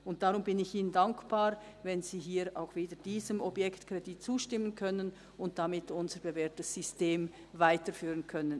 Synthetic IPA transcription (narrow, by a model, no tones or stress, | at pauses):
ʔʊnt̚d̥aʁʊmbɪnɪçʔiːnəndaŋkb̥aːɾ | vɛnziːɦiːɾʔa̰ʊxviːdəd̥iːzəmɔbjɛktkʁ̥ɛdit̚t͡suːʃtɪmːənkʰœnən | ʊnt̚d̥amɪtʊnzəɾbevɛːtəsːʏsteːm | vaɪtəɾfyːʁənkʰœnən